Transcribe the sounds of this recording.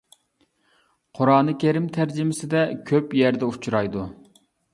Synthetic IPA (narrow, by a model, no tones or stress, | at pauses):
qʰoɾɑːnɨkʲʰeɾɪmt̪ʰæɾd͡ʒɪmɪsɪd̪ɛkʲʰøpjɛɾd̪ɛut͡ʃʰuɾɑjd̪u